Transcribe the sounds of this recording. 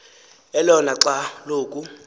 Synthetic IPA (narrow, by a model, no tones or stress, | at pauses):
ɛlɔnaǁaloːkʼu